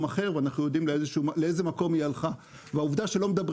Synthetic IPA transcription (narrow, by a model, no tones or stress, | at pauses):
maχe̞ʁveanaχnujo̞d̪imleezeʃuːleejze̞mako̞mialχa | veauvd̪aʃe̞lo̞med̪abʁ